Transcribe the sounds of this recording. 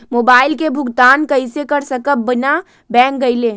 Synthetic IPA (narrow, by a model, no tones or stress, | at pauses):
moːbaːɪlkebʱʊɡt̪aːnkəɪsekəɾsəkəp̚bəna | bɛ̃ːŋk̚ɡəɪle